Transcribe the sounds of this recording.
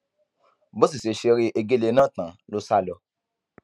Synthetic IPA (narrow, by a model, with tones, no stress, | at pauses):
bo˦s̬i˨se˨ʃe˧ɾi˦ʔe˧ɡe˦˨le˧nã˦˨tã˨lo˦sa˦˨lɔ˧